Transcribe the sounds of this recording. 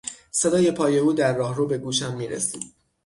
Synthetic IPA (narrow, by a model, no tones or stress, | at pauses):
se̞d̪ɒːje̞pʰɒːje̞uːd̪æɾːɒːhruːbe̞ɡuːʃæmːiːɾḛsḭːd̪̥